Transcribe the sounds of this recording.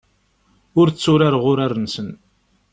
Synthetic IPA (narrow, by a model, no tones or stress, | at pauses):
ʊɾt͡sːʊɾaɾʁʊɾaɾənsən